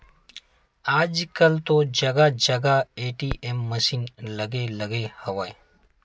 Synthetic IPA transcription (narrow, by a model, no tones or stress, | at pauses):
aːd͡ʒkəlt̪od͡ʒəɡad͡ʒəɡaeːʈiːʔemːəsiːnləɡeləɡehəʋaj